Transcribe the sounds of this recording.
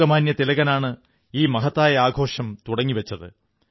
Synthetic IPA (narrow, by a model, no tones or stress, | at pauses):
ɐmaːnjɐt̪ilɐɣɐnaːɳɨ | iːmɐɦɐt̪ːaːjɐaːɡʱo̞ːʂɐmt̪uɽɐŋːiʋɐt͡ɕːɐðɨ̰